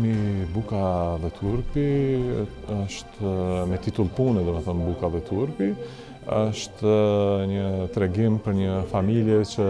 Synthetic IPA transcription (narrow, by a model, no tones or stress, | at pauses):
mibukaðɛt̪ʰuɾpi | ɔʃt̪mɛt̪it̪ulˠpunɛd̪ɔməθɔnbukaðɛt̪ʰuɾpi | ɔʃt̪ɲət̪ɾɛɡimpəɾɲəfamiljɛt͡ɕə